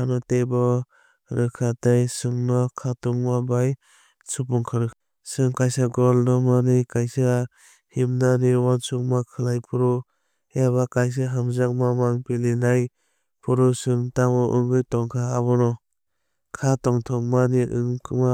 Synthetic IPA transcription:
anɔtebɔ | ɾɯkʰatajsɯŋnɔkʰatɔŋmabaj | sup̬uŋkʰaɾɯ | sɯŋkajsaɡɔlnɔmanikajsa | himnaniwansuk̚makʰɯlajpʰuɾɔ | jaβakajs̬aɦamzak̚mamaŋpilinaj | pʰuɾɔsɯŋtamɔʔɯŋɡɯjtɔŋkʰaːβɔnɔ | kʰatɔŋtʰɔŋmaniʔɯŋkʰma

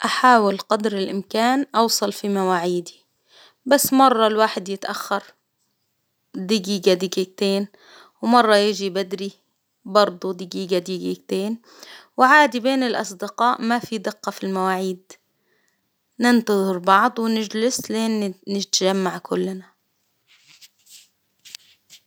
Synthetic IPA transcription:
ʔaħaːwɪlqɑd̪ɾɪlʔɪmkaːnʔɑwsˤɑlfimawaːʕiːd̪i̥ | basːmɑrˤːɑlwaːħɪd̪jɪt̪ʔaxːɑɾˤ | d̪ɪɡiːɡad̪ɪɡik̚t̪eːn | wmɑrˤːɑjɪʒibad̪ɾi | bɑɾˤd̪ˤud̪ɪɡiːɡad̪iːɡikt̪eːn | wʕaːd̪ibeːnɪlʔɑ̰sˤd̪ɪqɑːʔmafid̪ɪqːɑfilmawaːʕiːd̪ | nɪnt̪ɑðˤɨɾbɑʕd̪ˤwɪnɪd͡ʒlɪslʔeːnnɪt̪ʒamːaʕkʊlːna

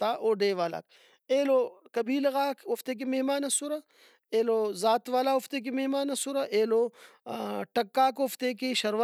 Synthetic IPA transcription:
t̪aːʔoːɖeːʋaːla̰ːk | eːlokɐbiːlɣaːkoft̪ek̬emeɦmaːnɐsuɾa | eːloːzaːt̪ʋaːlaʊft̪ek̬imeɦmaːnɐsuɾaʔeːlo | ʈɐkːaːkoːft̪ekeʃɐɾʋa

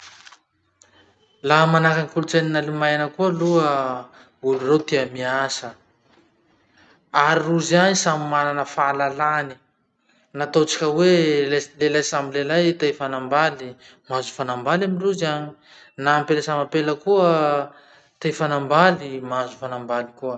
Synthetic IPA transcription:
lamanakanikulut͡saninalimajnəkuəluə | ulurewt̪iamiasə | aɾiruzanisamimananəfalalani̥ | nat̪ot͡si̥kʲəwelelajsamilelajt̪afanambali | mazu̥fanambalaminruzani | naːmpeləsamapeləkuə | t̪ejfanambalimazufanambalikuə

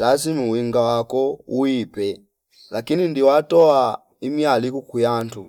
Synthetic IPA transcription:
lazimuwiŋɡawakɔuipɛ | lakinindiwatɔa | imjalikukujantu

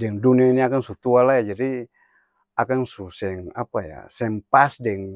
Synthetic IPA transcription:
dɛŋduniainiakaŋsut̪ualajad͡ʒadi | akaŋsusɛŋapaja̰sɛŋpasdɛŋ

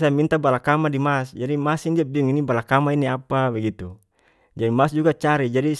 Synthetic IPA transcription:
samint̪abalakamadimasd͡ʒadimasindiabiuŋinibalakamainiapabaɡit̪u | d͡ʒadimasd͡ʒuɡat͡ʃaɾid͡ʒadi

